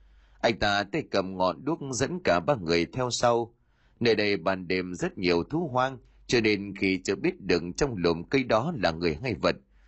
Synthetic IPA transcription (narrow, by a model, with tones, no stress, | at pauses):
ʔa˧jŋ̟t̪aː˧t̪e˧˩kə˨˩m̚ŋɔ̰˧˨nɗɨ˦˥ək̚zə̰˧˥nkaː˧˩ɓaː˧ŋɨ˨˩əjt̪ʰɛ˧wsa˧w | ne˧˩ɗə˧jɓaː˨˩nɗe˨˩mzə˦˥t̚ɲi˨˩əwt̪ʰu˨˦ɦwaː˧ŋ | t͡ɕɔ˧ne˧nxi˧t͡ɕə˧˦ɓi˦˥ət̚ɗɨ˨˩ək̚t͡ɕɔ˧wŋ͡mlo˨˩mkə˧jɗɔ˨˦laː˨˩ŋɨ˨˩əjɦa˧˩jvə˨˩t̚